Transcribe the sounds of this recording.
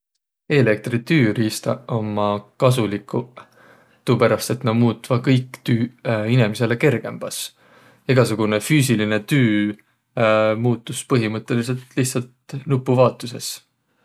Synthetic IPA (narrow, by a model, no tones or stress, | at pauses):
e̞le̞k̚t̪ɾrit̪yːɾiːst̪ɑ̰omːɑkɑs̬ulikʰːˑu | t̪upæɾɑst̪et̪nɑmuːt̪ːvɑkɤjkːˑt̪yːinemise̞le̞ke̞rɡ̥e̞mb̥ɑs | eɡ̥ɑsuɡ̥une̞fyːs̬iline̞t̪yː | muːt̪ːˑuspɤɦimɤt̪ːˑe̞lis̬e̞lt̪liht̪sɑlt̪nupːˑuvɑːt̪ːˑuse̞̰s